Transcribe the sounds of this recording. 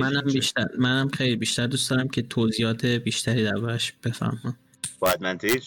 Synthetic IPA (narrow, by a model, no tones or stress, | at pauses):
mænæmbiːʃt̪æɾmænæmχe̞jlibiːʃt̪æɾd̪usd̪ɒːɾæmcʰe̞t̪ʰoziːjɒːt̪ʰe̞biːʃt̪ʰæɾiːd̪æɾbɒːɾæʃb̥e̞fæ̰ɾmɒ | bɒæd̪̚mænt̪ʰi